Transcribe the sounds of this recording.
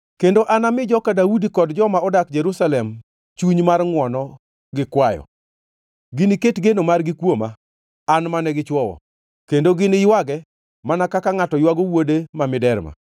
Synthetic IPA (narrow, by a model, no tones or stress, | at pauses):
kendoʔanamɪd͡ʒɔkadaudikɔdd͡ʒɔmaɔdak̚d͡ʒeɾusalɛm | t͡ʃuɲmarŋwɔnɔ | ɡɪkwajɔ̰ | ɡɪnɪketɡenomarɡɪkwoma | anmanɛɡɪt͡ʃwɔwɔ̰ | kendoɡɪnɪjwaɡɛ | manakakaŋatɔjwaɡowodemamɪdɛɾma̰